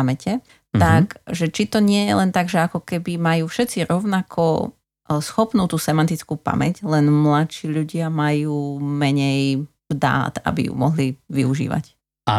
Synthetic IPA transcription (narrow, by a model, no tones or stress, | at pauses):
amɛcɛ | t̪akʒɛt͡ʃit̪ɔɲɪɛjɛlɛnt̪aɡʒɛakɔkɛbimajuːfʃɛt̪t͡siɾɔʊnakʰɔ | sxɔpnuːt̪uːsɛmant̪it͡skuːpa̰mɛɟlɛnmlaʃiːʎuɟɪamajuːmɛɲɛjvd̪a̰ːt̪a̰bḭjṵmɔɦliʋiuʒḭːʋa̰c | a